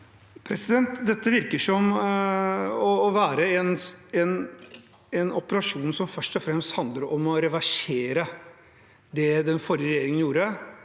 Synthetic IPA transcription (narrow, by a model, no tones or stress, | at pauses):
pʰɾɛsɪd̪ɛnt̪d̪ɛt̪ːəʋɪɾkəʂɔm | ɔːʋæːɾəɛnɛn | ɛnɔpəɾɑʂuːnsɔmfœʂʈɔfɾɛmst̪hɑnd̪ləɾɔmɔɾɛʋæʂeːɾə | d̪ɛd̪ɛnfɔɾjəɾɛjeːɾɪŋənjuːɾə